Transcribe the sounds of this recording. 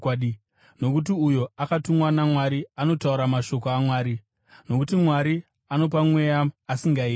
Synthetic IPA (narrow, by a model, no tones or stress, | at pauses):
a | no̞kut̬iujo̞akatumwanamwaɾiano̞tauɾamaʃo̞koamwaːɾi | no̞kutimwaɾi | ano̞p̬amwe̞jaasiŋɡaiː